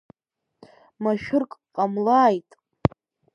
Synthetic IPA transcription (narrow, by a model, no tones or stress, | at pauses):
maʃᶣʊrkʼqʼamlaːjtʼ